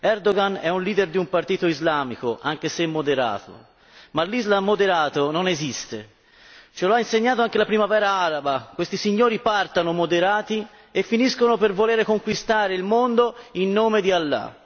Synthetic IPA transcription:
ɛrd̪oɡanɛunliːd̪erd̪iumpart̪iːt̪oizlaːmikoʔaŋkesemːod̪eɾa̰ːt̪ʰo̰ | malːizlamːod̪eɾaːt̪ononezist̪e | t͡ʃeloainseɲːaːt̪oaŋkelapɾimavɛːɾaaɾabakwest̪isiɲːoːɾipart̪anomod̪eɾaːt̪i | efːiniskonopervoleːɾekoŋkwist̪aːɾeilmond̪oinːoːmed̪ialːa̰

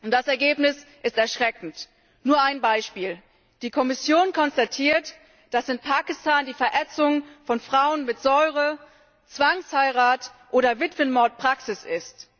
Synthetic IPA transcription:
ʊnd̥asɛɐɡeːpnɪsʔɪstɛɐʃʁ̥ɛkŋ̩t | nuːɐaɪnbaɪʃpiːl | d̥iːkʰɔmɪsjoːnkʰɔnstatʰiːɐt | d̥asɪnpʰaːkɪstaːndiːfɛɐʔɛt͡sʊŋfɔnfʁ̥aʊənmɪtz̥ɔʏʁə | t͡sv̥aŋshaɪʁaːtʔoːɾɐvɪtv̥ənmɔɐt̚pʁ̥aksɪsɪst

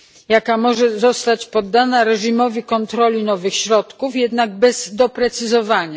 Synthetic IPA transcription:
jakamɔʐɛzɔst̪at͡ɕpɔd̪ːanaɾɛʐimɔvʲikɔnt̪ɾɔlʲinɔvɘxɕɾɔt̪kufjɛd̪naɡ̚bɛz̥d̪ɔpɾɛt̪sɘzɔvaɲa

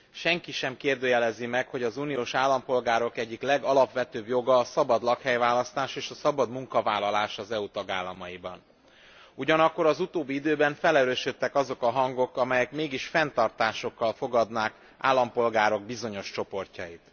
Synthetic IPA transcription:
ʃɛŋkiʃɛmkeːrd̪øːjɛlɛzimɛkho̞ɟɒzuːnioːʃaːlːɒmpo̞lɡaːɾo̞kɛɟːiklɛɡɒlɒpʋɛt̪øːbjo̞ɡɒːsɒbɒd̪lɒkhɛjvaːlɒst̪aːʃeːʃɒsɒbɒd̪muŋkɒvaːlːɒlaːʃɒzɛut̪ɒɡaːlːɒmɒjibɒ̰n | uɟɒnɒkːo̞ɾɒzut̪oːbːiid̪øːbɛɱfɛlɛɾøːʃøt̪ːɛkɒzo̞kɒɦɒŋɡo̞kɒmɛjɛkmeːɡiʃfɛnt̪ɒrt̪aːʃo̞kːɒlfo̞ɡɒd̪naːk | ʔa̰ːlːɒmpo̞lɡaːɾo̞ɡ̚bizo̞ɲo̞ʃt͡ʃo̞po̞rcɒ̰jit̪

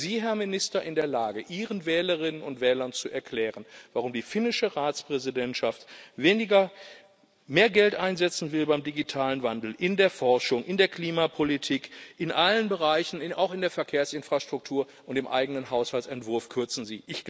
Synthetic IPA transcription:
ziːɦɛɐmɪnɪstɐʔɪndeːɐlaːɡəʔiːʁənvɛːləʁɪnənʊntv̥ɛːlɐnt͡suʔɛɐkʰl̥ɛːʁənvaʁʊmdiːfɪnɪʃəʁaːt͡spʁ̥ɛzidɛntʃaftveːnɪɡɐ | meːɐɡɛltʔaɪnzɛt͡sn̩vɪlbaɪmdiɡitʰaːlənvandl̩ʔɪndeːɐfɔɐʃʊŋʔɪndeːɐkʰl̥iːmapʰolitʰiːkʔɪnʔalənbəʁaɪçn̩ɪʔa̰ʊxɪndeːɐfɛɐkʰeːɐsɪnfʁ̥aʃtʁ̥ʊk̚tʰuːɐ | ʔʊntd̥eːmʔa̰ɪɡənənɦaʊshalt͡ssɛntv̥ʊɐfkʰʏɐt͡sn̩ziːʔɪç̥

